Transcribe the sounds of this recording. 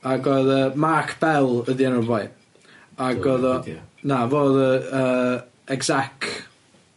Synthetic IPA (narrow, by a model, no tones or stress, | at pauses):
aɡɔðəːmakʰb̥ɛlˠəðiɛnɔbaj | aɡɔðɔnavoːðəəː | ɛɡzak